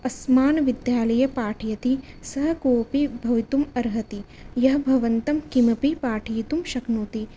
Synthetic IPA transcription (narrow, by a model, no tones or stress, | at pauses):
ɐsmaːnʋid̪jaːlɐjɐpaːʈʰijɐt̪isɐɦɐkoːpibʱɐʋit̪umɐɾɦɐt̪i | jɐɦɐbʱɐʋɐnt̪ɐmkimɐpipaːʈʰijit̪umʃɐknuːt̪i